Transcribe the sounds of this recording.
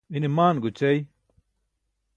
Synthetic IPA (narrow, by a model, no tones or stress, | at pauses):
inimaːnɡut͡ʃej